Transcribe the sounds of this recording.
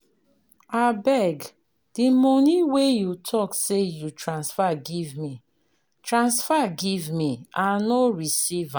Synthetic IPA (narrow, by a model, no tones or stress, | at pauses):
abɛɡ | d̥imɔniwejutʰɔksejutʰɹãnsfaɡivmi | tɹãnsfaɡivmiãnɔɹisivã